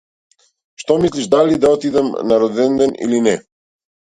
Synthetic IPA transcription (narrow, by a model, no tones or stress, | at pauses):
ʃt̪omisliʃd̪alid̪aɔt̪id̪ɛmnaɾɔd̪ɛnd̪ɛnḭlinɛ